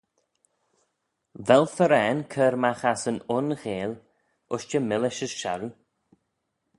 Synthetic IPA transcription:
vɛlfəɾɛːnkʰəɾmaxasənʊnɣeːl | ʔʊʃt͡ʃəmɪlɪʃəsʃa̰ɾu

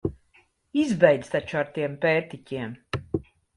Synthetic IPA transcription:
izbɛjd̪z̥t̪at͡ʃuaɾt̪iɛmpɛːɾt̪icʲiɛm

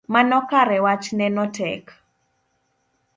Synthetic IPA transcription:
manɔkaɾɛwat͡ʃnɛnɔtɛk

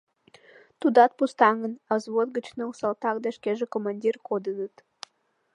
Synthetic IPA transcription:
t̪ud̪ɑt̪̚pust̪ɑŋənɑzβot̪ɡət͡ɕnɤusɑlt̪ɑkd̪ɑʃkeʒekomɑnʲdʲirkod̪ənət̪

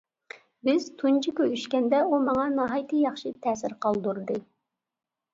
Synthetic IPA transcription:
bɪz̥t̪ʰunt͡ʃʰikʲøyʃkʲɛnd̪ɛumɑŋɑnɑɦɑjt̪ʰɨjɑχʃit̪ʰɛːsɪɾqɑlˠd̪uɾd̪ɨ

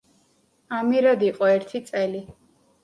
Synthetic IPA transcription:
amiɾad̪iqʼɔɛɾt̪ʰit̪sʼɛli

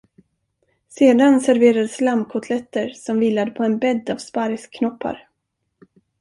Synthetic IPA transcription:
seːd̪ansæɾveːɾad̪əslamkʰʊt̪ʰlɛt̪ːəɾsɔmviːlːad̪əpʰɔɛnbɛd̪ːavspaɾskʰːnɔpʰːa̰ɾ

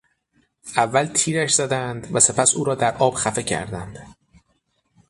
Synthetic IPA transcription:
ʔævːælt̪ʰiːɾæʃz̥æd̪ænd̪væse̞pʰæsuːɾɒːd̪æɾʔɒːb̥xæfe̞cʰæ̰ɾd̪ænd̪̥

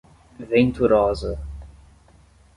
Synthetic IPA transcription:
vẽnt̪uɾɔzɐ

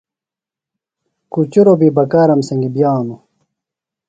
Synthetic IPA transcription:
kut͡ɕuɾobibɐkaːɾɐmsɐŋɡibjaːnu

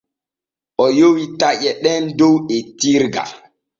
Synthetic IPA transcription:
ʔɔjowitaʔɛɗɛndowɛtiɾɡa̰

